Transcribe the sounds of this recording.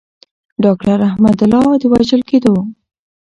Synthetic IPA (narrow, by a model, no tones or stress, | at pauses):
ɖɑkʈaɾahmad̪ʊlɑd̪əwaʒəlked̪o